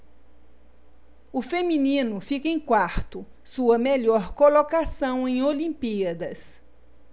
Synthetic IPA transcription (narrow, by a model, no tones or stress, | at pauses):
ʊfemĩnĩnʊfikɐẽj̃kwaɾt̪ʊ | suɐmeʎɔɾkolokasɐ̃w̃ẽj̃olĩmpiɐd̪ɐs